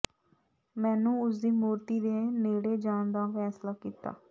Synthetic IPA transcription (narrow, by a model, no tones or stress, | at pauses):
mɛ̃ːnũːʊsd̪iːmuːɾt̪iːd̪eːneːɽeːd͡ʒaːnd̪ãːfʰɛːslaːkiːt̪a̰ː